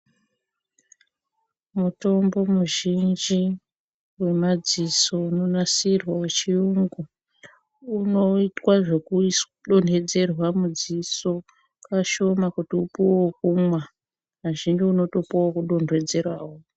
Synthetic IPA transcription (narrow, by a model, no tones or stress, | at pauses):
muto̞mbo̞muʒind͡ʒi | we̞mad͡ziso̞uno̞nasirwawet͡ʃijuŋɡu | uno̞itwaʐe̞kui | ɗo̞n̤ʱe̞d͡ze̞rwamud͡ziso̞ | kaʃo̞makutiupuokumwa | aʒind͡ʒiuno̞topowokuɗo̞ndʱwe̞d͡ze̞rwaːwo